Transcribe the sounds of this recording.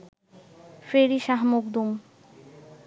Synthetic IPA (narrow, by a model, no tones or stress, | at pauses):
feɾiʃaɦmoɡd̪um